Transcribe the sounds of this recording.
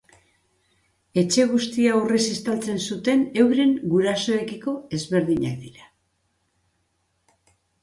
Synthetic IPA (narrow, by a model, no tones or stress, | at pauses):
e̞t͡ʃe̞ɣ̞ust̪iauresist̪alt͡se̞nsut̪e̞ne̞wɾe̞ŋɡuɾaso̞ekiko̞e̞zβe̞ɾðiɲa̰kd̪iɾa